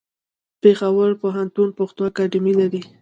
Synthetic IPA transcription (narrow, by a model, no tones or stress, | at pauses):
pexawəɾpoɦant̪unpoxt̪uakaɖɪmilaɾi